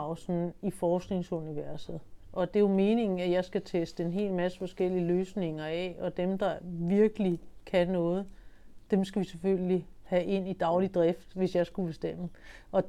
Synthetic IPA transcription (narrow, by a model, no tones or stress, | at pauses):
ʊsn̩ifɒːsɡ̥ne̝ŋsuniʋæɐsð̩ˠʔɒ̽d̥e̝jome̝ːne̝ŋn̩æjɑ̈ɪsɡ̥æt͡sʰesd̥əe̝nɦe̝̰ːlmæsə̥fɒ̽sɡ̥el̰iəløːsne̝ŋɐɛɒ̽d̥emd̥ɑ̈ʋiɐɡ̥əlikʰænɔ̽ːð̞̩ˠd̥emsɡ̥æʋiseføl̰li | hæʔe̝n̰id̥ɑ̈ʊlid̥ʁɛfd̥ʋe̝sjɑ̈ɪsɡ̥ub̥e̝sd̥em̰əʔɒ̽